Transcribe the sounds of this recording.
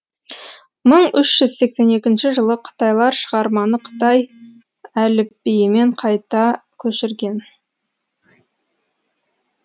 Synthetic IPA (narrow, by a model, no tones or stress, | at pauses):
məɴʏʃʒ̥ʏz̥se̞kse̞ne̞kʲɪnʃɪʒəlˠəqʰə̥t̪ɑjlˠɑɾʃəʁɑɾmɑnəqʰə̥t̪ɑj | ælɪp̚ːijɪme̞ɴqʰɑjt̪ɑkʲʰɵʃɪɾɡʲe̞n